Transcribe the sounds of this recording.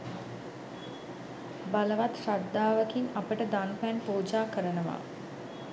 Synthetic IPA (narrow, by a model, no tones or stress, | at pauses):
baləʋat̪sad̪ːaːʋəkiŋapəʈəd̪anpænpoːd͡ʒaːkəɾənəʋa̰ː